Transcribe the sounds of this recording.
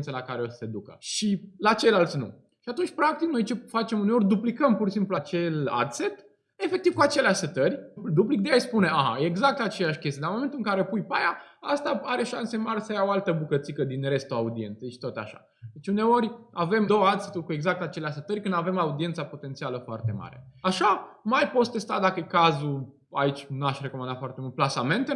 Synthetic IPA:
nt̪səlakaɾeo̞sə̥se̞d̪ukə̰ʃilat͡ʃe̞jlalt̪sʲnṵ | ʃiat̪unt͡ʃʲpɾak̚t̪ikno̞jt͡ʃe̞fat͡ʃe̞mune̞o̞rʲd̪uplikəmpurʃisimpluat͡ʃe̞la̰d̪se̞t̪ | e̞fek̚t̪iv̥kuat͡ʃe̞leaʃʲsət̪ərʲd̪uplik̚d̪ejajspune̞ʔaɦa̰jeːɡzak̚t̪at͡ʃe̞jaʃkʲe̞st̪ʲid̪amoment̪ulɨŋkaɾe̞pujpajaast̪aaɾe̞ʃanse̞maɾsəjaoalt̪əbukət̪sikəd̪inre̞st̪uaud̪ie̞nt̪seʃi̥t̪ot̪a̰ʃa̰ | d̪et͡ʃʲune̞o̞rʲave̞md̪o̞wəad̪set̪ulkue̞ɡzak̚t̪at͡ʃe̞leasət̪ərʲkɨnd̪ave̞maud̪ie̞nt̪sapo̞t̪e̞nt̪sialəfoa̰rt̪e̞ma̰ɾe̞̰aʃamajpo̞t̪st̪e̞st̪ad̪akəekazu | ait͡ʃʲnuaʃre̞komand̪at̪foart̪emult̪plasame̞nt̪e

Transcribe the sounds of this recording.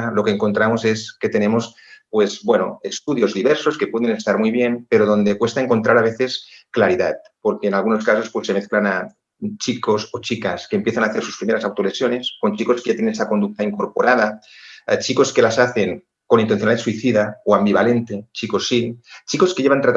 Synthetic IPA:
lo̞keːŋko̞nt̪ɾamoseske̞t̪enemo̞s | pwe̞zbwenoest̪uðjo̞zðiβeɾso̞ske̞pweðenest̪aɾmujβ̞je̞mpeɾoð̞o̞nd̪ekwest̪aeŋko̞nt̪ɾʔaɾaβ̞eθe̞sklaɾiða̰t̪̚poɾkeːnalɣuno̞skaso̞spwesːemeθklana | t͡ʃiko̞sot͡ʃikaskeːmpjeθanaːθeɾsu̥spɾimeɾasawt̪olesjo̞ne̞sko̞nt͡ʃiko̞skeʝat̪jenenesako̞nd̪uk̚t̪aiŋkoɾpoɾʔað̞a | t͡ʃiko̞ske̞lasaθeŋ | konint̪en̟θjonaesuiθiðaoambiβale̞nt̪et͡ʃikosːit͡ʃikoskeʝeβant̪ɾat̪

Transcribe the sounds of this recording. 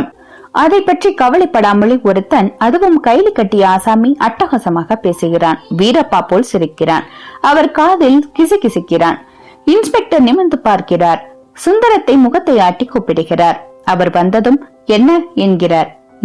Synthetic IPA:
ʔɐðɐɪpːɐʈrikɐʋɐɭɐɪpːɐɽaːmɐɭɪɔɾɯt̪ːɐnɐðɯʋɯmkɐɪlɪkːɐʈːɪjɐaːsaːmiʔɐʈːɐɣɐsɐmaːɣɐpeːsɯɣɪraːnʋiːɾɐpːaːpoːlsɪɾɪkːɪra̰ːnɐʋɐɾkaːðɪlkɪsɪkɪsɪkːɪraːn | ɪnspɛk̚ʈɐɾnɪmɐnd̪ɯpaːɾkɪraːɾ | sʊnd̪ɐɾɐt̪ːɐɪmʊɣɐt̪ːɐɪaːʈːikːopːɪɽɯɣɪraːɾɐʋɐɾʋɐnd̪ɐðɯm | ɛnːɐɛnɡɪraːɾ

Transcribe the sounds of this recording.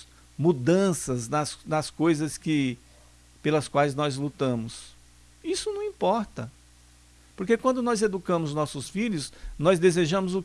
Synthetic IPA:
mud̪ɐ̃sɐznɐsnɐskojzɐskɪ | pelɐskwajznɔzlut̪ɐ̃mʊs | isʊnɐ̃w̃ĩpɔɾt̪ɐ | poɾkekwɐ̃d̪ʊnɔzed̪ukɐ̃mʊznɔsʊsfiʎʊsnɔzd̪ezeʒɐ̃mʊzʊ

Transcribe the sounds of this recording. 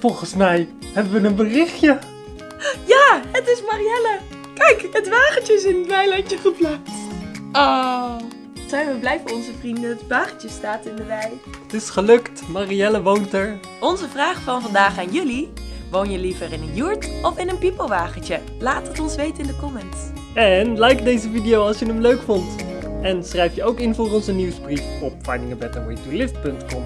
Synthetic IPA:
fɔlˠχənsmɛj | hɛbəʋənənbərɪχjə | jaːɦətɪsmariɛlə | kɛjkɦətʋaːχəntəɪs̬ɪnətʋɛjlɛncəχəplaːstto | sɛjʋəblɛjvənɔnzəvrindəətʋaːχət͡ʃəstaːtɪndəʋɛjətɪsχəlɵktmariɛləʋowntəɹ | ɔnzəvraːχfɑnvɑndaːχaːnjɵliʋownjəlivərɪnənjuɹtɔfɪnənpipəlˠʋaːχətə | laːtətɔnsʋejtəɪndəkɔmɛnt | ɛnlɛjkdejzəvidijowɑlˠsjənəmløɥkfɔnt | ɛnsrɛjfjəowkɪnvʊːrɔnzəniwsbrifɔpfajdɪŋəbɛtəɹitulɪftpɵntkɔm

